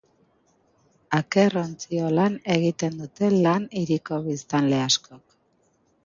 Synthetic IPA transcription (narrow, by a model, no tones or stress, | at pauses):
ake̞ro̞nt͡sio̞lane̞ɣ̞it̪e̞nd̪ut̪e̞laniɾiko̞βist̪anle̞asko̞k